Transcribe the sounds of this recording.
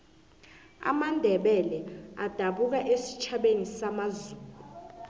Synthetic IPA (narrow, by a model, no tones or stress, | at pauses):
a̰mandʱɛɓɛlɛad̥ʱaɓuk̬aʔesi̥t͡ʃʰaɓenisamazuːlu